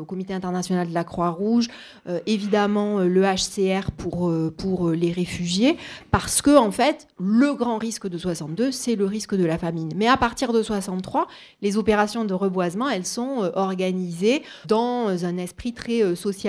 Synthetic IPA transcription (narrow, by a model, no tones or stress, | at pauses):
okɔmit̪eɛ̃t̪ɛʁnasjɔnald̪əlakχwaʁuʒ | øʔevid̪amɑ̃øləaʃseɛʁpʰuʁøpuʁøleʁefyʒjepaʁsə̥kəɑ̃fɛt̪ | ləɡʁɑ̃ʁiskd̪əswasɑ̃t̪̚d̪øsɛləʁiskd̪əlafamiɲmɛapaʁt̪iʁd̪əswasɑ̃t̪t̪ːχwa | lezɔpeʁasjɔ̃d̪əʁəbwazmɑ̃ɛlsɔ̃øʔɔʁɡanize | d̪ɑ̃zɛ̃nɛspχit̪χɛøsɔsja